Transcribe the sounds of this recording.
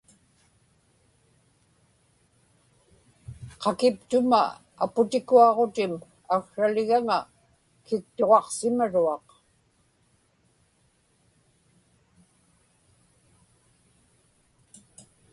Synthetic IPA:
qɑkɪpt̪ʊma̰ | apʊt̪ɪkuɑʁot̪ɪm | axʂalɪɣaŋa | kɪk̚t̪oʁɑqsɪmaɻuɑq

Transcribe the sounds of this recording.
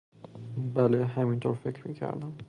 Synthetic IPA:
bæleɦæmint̪ʰoːɾfekʰɾmiːcʰæ̰ɾd̪æm

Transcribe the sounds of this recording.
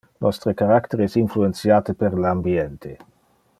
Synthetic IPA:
nɔst̪ɾəkaɾakt̪eɾeɛsinfluent̪sjaːt̪əpeɾlambijɛnt̪ʰe

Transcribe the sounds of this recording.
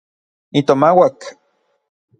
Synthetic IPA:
it̪omawak

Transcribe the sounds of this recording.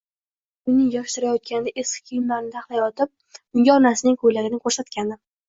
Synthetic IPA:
ʊnɪŋjɒʃt̪ɪɾajɒt̪̚kʲanɪd̪aʔesʲkʲʰːijɪmlaɾɪnɪt̪ʰaχlˠajɒt̪ʰɪp̚ | ʊŋɡʲaɒnasɪnɪŋkʰɵjlaɡʲɪnɪkʰoɾsat̪kʲʰanɪ

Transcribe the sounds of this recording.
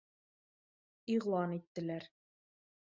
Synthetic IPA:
iʁlˠɑnit̪ːɘ̆læɾ

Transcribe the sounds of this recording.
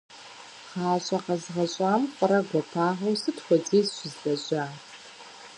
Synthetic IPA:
χaːɕʼɐqɐzʁɐɕʼaːmqʷʼɔɾɐɡʷɔpʰaːʁɐwsɨtxʷɔd͡ziːzɕɪzɮɐɕʼaː

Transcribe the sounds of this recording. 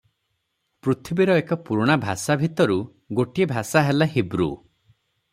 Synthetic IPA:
pɾut̪ʰibiɾɔekɔpuɾɽ̃abʱasabʱit̪ɔɾu | ɡoʈiebʱasaɦelaɦibɾṵ

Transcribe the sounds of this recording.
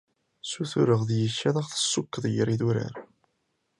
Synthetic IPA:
suθuɾəʁðjəʃːæðæʁθə̥sːukːəðˤjəɾiðuɾə̰ɾ

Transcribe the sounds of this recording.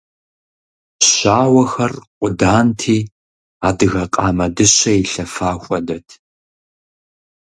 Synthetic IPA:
ɕaːwɐxɐrqʷʊdaːntʰiː | aːdɨɣɐqʼɑːmɐdɨɕɐiɬɐfaːxʷʼɔdɐtʰ

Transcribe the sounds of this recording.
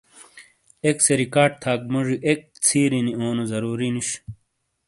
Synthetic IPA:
ekseɾikaːɖ̚t̪ʰaːk̚moʐiʔek̚t͡sʰiːɾinioːnozɐɾuːɾinuɕ

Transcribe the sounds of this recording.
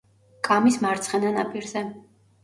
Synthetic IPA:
kʼamismaɾt̪sʰχɛnana̰pʼiɾzɛ

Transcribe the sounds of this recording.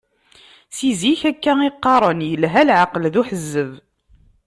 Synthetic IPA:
siziçækːæiqːɑɾˤənjəlɦælʕaqəlðuħəzːəv

